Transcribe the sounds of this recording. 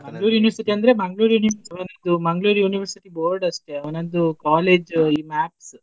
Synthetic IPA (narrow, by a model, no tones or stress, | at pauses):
mɐŋɡɭuːɾijuːniʋɐɾsiʈiɐnd̪ɐɾe̞mɐŋɡɭuːɾjuniɐʋɐnɐnd̪umɐŋɡɭuːɾijuːniʋɐɾsiʈiboːɾɖɐʂʈe̞ɐʋɐnɐnd̪ukaːleːd͡ʒiːmaːps